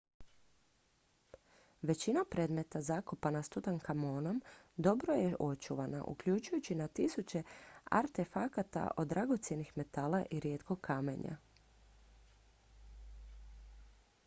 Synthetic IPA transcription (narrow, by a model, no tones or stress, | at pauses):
ʋe̞t͡ɕinapɾe̞d̪me̞t̪azakopanast̪ut̪aŋkamoːno̞md̪o̞bɾo̞jeʔo̞t͡ʃuʋana̰ʔṵkʎut͡ʃujut͡ɕinat̪isut͡ɕe̞a̰ɾt̪e̞fakat̪a̰ʔo̞d̪ːɾʔaɡo̞t̪sje̞nixme̞t̪alaʔiɾjeːt̪kʰo̞ɡkʰːame̞̰ɲa̰